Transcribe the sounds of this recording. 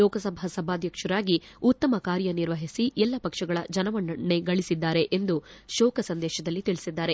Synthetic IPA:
ɔːkɐsɐbʱɐsɐbʱaːd̪ʱjɐkʂɐɾaːɡiut̪ːɐmɐkaːɾjɐniɾʋɐɦisiʔɛlːɐpɐkʂɐɡɐɭɐd͡ʒɐnɐʋɐɳːɐɳːe̞ɡɐɭisid̪ːaːɾe̞ʔend̪uʃɔːkɐsɐnd̪ɛːʃɐd̪ɐlːit̪iɭisid̪ːaːɾe̞

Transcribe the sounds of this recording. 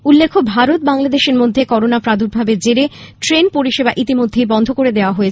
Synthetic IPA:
ulːekʰobʱaɾot̪̚baŋlad̪eʃeɾmod̪ʱːekɔɾonapɾad̪ʱuɾbʱabed͡ʑeɾeʈɾenpoɾiʃebaʔit̪imod̪ʱːejbɔnd̪ʱokoɾed̪eoaɦoet͡ɕʰ

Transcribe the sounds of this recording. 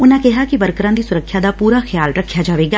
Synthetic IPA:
ʊnãkɛɦaːkibəɾkəɾãːd̪iːsʊɾəkʰːjaːd̪aːpuːɾaːxjaːlɾəkʰːjaːd͡ʒaːʋeːɡaː

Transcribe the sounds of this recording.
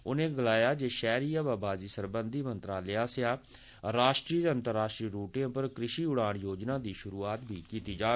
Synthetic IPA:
ʊnẽːɡəlaːjaːd͡ʒeːʃɛːɾiːaːʋaːbaːziːsəɾbənd̪iːmənt̪ɾaːlɪaːsɪaː | ɾaːʃʈɾiːəənt̪əɾːaːʃʈɾiːɾuːʈɪjãːpəɾkɾɪʃiːʊɽaːɳjoːd͡ʒnãːd̪iːʃʊɾuːaːt̪bʱiːkiːt̪iːd͡ʒaː

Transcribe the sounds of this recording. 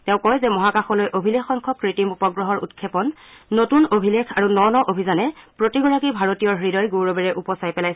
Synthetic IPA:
tɛʊ̃kɔjzɛmɔɦakaxɔlojʔobʱilexɔŋkʰɔkɹitimupɔɡɹɔɦɔɹṵtkʰːɛpɔnː | otunobʱilekʰaɹunɔnɔʔobʱizanɛpɹotiɡɔɹakibʱaɹotijɔɹɦɹidɔjɡowɹɔbɛɹɛʔupɔsajpɛlajsɛ

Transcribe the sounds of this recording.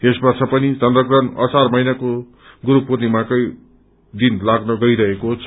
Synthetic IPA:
esbʌrt͡sʰʌpʌnit͡sʌnd̪rʌɡrʌnʌ̰sarmʌjnako | ɡuɾupurnimakʌj | d̪inlaɡnʌɡʌiɾʌɦekot͡sʰʌ

